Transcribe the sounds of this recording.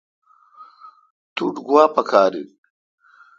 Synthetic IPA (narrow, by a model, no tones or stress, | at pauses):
t̪uɖɡwaːpɐkʰaːɾi